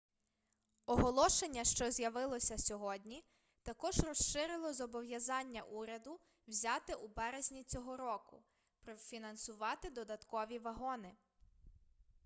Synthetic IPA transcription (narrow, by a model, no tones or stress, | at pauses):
ɔɦɔlˠɔʃenʲːɐʃt͡ʃɔzʲjɐʋɪlˠɔsʲɐsʲɔɦɔdʲnʲi | t̪ɐkɔʒrɔsʃɪɾɪlˠɔzɔbɔʋjɐzɑnʲːɐʔuɾʲɐd̪ʊ | wzʲɑt̪ɪʔubɛɾezʲnʲit͡sʲɔɦɔɾɔkʊ | pɾɔwfʲinɐnsʊʋɑt̪ɪd̪ɔd̪ɐt̪kɔʋʲiʋɐɦɔnɪ